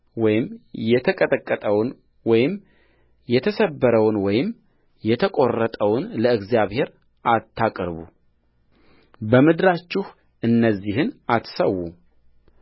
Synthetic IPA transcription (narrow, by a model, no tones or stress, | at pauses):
wɔjɪmjɛt̪ʰəkʼət̪ʼəkʼːət̪ʼəwn | wɔjɪm | jɛt̪ʰəsəbːəɾəwnwɔjɪm | jɛt̪ʰəkʼo̞rːət̪ʼəwʊnləɨɡzjaβhe̞ɾ | ʔat̪ʰːakʼɾbṵ | bəmɨd̪ɾat͡ʃːɪh | ʔɨnːəzːihɨnat̪səwːu